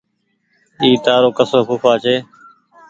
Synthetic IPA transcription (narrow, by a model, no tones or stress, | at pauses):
iːt̪aːɾoːkəsoːpʊfaːt͡ʃʰeː